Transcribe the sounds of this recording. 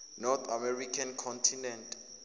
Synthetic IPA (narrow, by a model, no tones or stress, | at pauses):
nɔt̪ʰamɛrikʰankʰɔ̃ntʰinɛntʰ